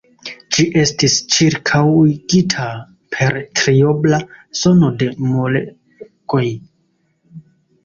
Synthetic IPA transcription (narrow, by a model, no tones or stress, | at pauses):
d͡ʒiʔe̞stist͡ʃiɾkʰawɡitʰa | pʰe̞ɾtɾioblazo̞no̞de̞mole | ko̞j